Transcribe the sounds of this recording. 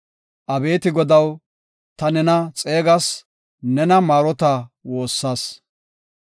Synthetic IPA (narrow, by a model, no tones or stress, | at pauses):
ʔɐbe̞ːt̪ɪɡɔd̪ɐw | t̪ɐnɛnɐt͡sʼe̞ːɡɐs | nɛnɐmaːɾɔt̪ɐwo̞ːsːaːs